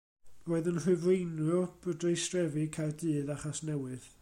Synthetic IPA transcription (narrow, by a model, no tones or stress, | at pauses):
roːɨðənr̥ɨvrejnb̥ədrejstrɛvɨkʰajrdɨːðaχasnɛwɨð